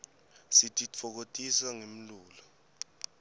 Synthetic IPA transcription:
sitʼit͡fʰɔk̬otʼisaŋem̩luːlɔ

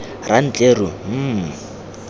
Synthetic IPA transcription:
ran̩t͡ɬʼerʊm̩ː

